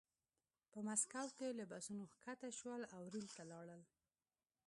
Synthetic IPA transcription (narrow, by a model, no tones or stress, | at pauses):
pəmaskawkelabasunoxkat̪aʃwəlawɾilt̪alɑɽəl